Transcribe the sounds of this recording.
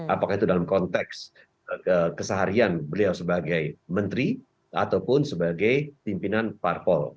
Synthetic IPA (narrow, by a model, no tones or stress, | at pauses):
ʔapakahit̪udalamkɔnt̪ɛks | əkəsaɦaɾianbəliawsəbaɡajmənt̪ɾi | a̰t̪awpʊnsəbaɡajt̪impinanparfɔl